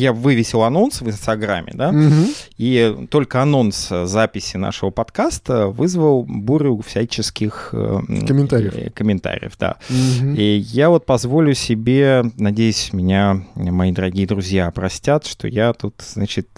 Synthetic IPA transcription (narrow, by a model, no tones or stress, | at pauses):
javɨvʲɪsʲɪlˠɐno̞nsvɨnst̪ɐɡɾa̰mʲːɪ̰d̪a | it̪o̞lʲkəɐno̞nt̪szapʲɪsʲɪna̰ʂɨvəpɐt̪kast̪əvɨzvəlˠbuɾʲʊfsʲæt͡ɕɪskʲɪxkəmʲɪnt̪aɾʲɪəkəmʲɪnt̪a̰ɾʲɪ̰jə̰fd̪a̰ijavo̞t̪̚pɐzvo̞lʲʊsʲɪbʲenɐdʲejʉsʲmʲɪnʲamɐid̪əɾɐɡʲijəd̪ɾʊzʲjapɾɐsʲtʲat̪ʂt̪o̰jat̪ut̪znat͡ɕɪt̪̚